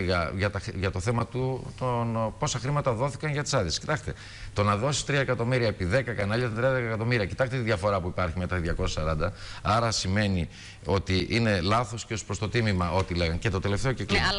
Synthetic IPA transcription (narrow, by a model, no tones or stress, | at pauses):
ɣɐʝɐt̪ɐxʝɐt̪o̞θe̞mɐt̪ut̪onpo̞sɐxɾimɐt̪ɐðo̞θi̥kɐnʝɐt̪i̥sɐðisesci̥t̪ɐxt̪e | t̪o̞nɐðo̞si̥st̪ɾiɐekɐt̪o̞miɾiɐepiðe̞kɐkɐnɐʎɐt̪ɐt̪ɾiɐd̪ɐkɐkɐt̪o̞miɾiɐcit̪ɐkst̪et̪iðʝɐfo̞ɾɐpuipɐɾçime̞t̪ɐðʝɐko̞sɐsɐɾɐnd̪ɐɐɾɐsime̞ni | o̞t̪iʔine̞lɐθo̞sceospɾst̪o̞t̪imimɐʔo̞t̪ile̞ɣɐŋce̞t̪o̞t̪e̞left̪e̞oceklim